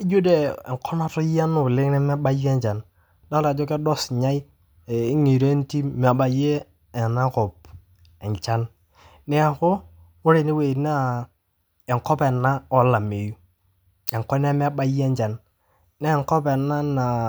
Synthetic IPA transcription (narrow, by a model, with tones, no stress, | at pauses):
ɪ˦d͡ʒu˦de˦˨ɛ̰˨kʰɔ˦na˦tʊ˦ja˦nʊ˨lɪ˦ŋnɛ˦mɛ˦ba˦jɛ˦ɲt͡ʃa˨n | da˦la˨d͡ʒɔ˦kɛ˦dɔ˦sɲa˦i˦˨ | ɪ˦ŋi˨ɾe˦n˦ti˦m˨a˨ba˨je˦˨ | na˦kɔ˨p̚ | ɛ˨ɲt͡ʃa˦n | nɛ˦a˨kʊ˦ | ʊ˦ɾe˨nɪ˦we˨na˦ | ɛ˨ŋkɔ˦pɛ˨na˦ɔ˨la˨me˨ju˦ | ɛ˨ŋkɔ˦na˦ma˦ba˦je˦ɲt͡ʃa˨n | nɛ˦˨ŋkɔ˦pɛ˨na˦na˨